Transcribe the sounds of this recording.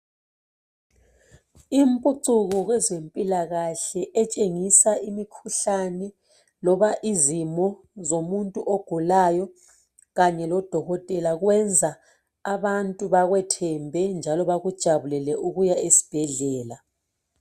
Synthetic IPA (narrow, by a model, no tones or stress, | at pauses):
impʼuǀuɣɔɣwɛzempʼilaɣaɬɛʔɛt͡ʃʼeŋisaʔimikʰuɬanɛ | lɔβaʔizimɔ | zomuntʼuʔoɡ̥ʱulajɔ | ɣaɲɛlɔd̥ʱɔɣɔtʼɛlaɣwɛnd͡zʱa | aβantʼuβaɣwɛtʰɛmbʱɛnd͡ʒʱalɔβaɣud̥ʒ̥ʱaβulɛlɛuɣujaesi̥b̥ʱɛɮɛːla